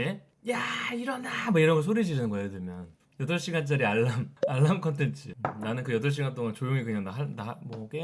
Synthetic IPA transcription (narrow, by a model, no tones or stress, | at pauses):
e | jaiɾʌnamʌiɾʌnɡʌɭs̬ʰoɾid͡ʑiɾinɯnɡʌjedemjʌn | jʌdʌɭɕ͈iɡant͡ɕ͈ʌɾiaɭːamaɭːamkʰʌntʰe̞nt͡ɕʰɯnanɯnkɯjʌdʌɭɕ̬͈ʰiɡant͈oŋant͡ɕojoŋikɯɲaŋnaanamwʌk͈e